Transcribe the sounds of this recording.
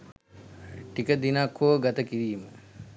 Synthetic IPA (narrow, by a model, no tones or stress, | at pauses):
ʈikəd̪inakʰːoʋɡat̪əkiɾiːmə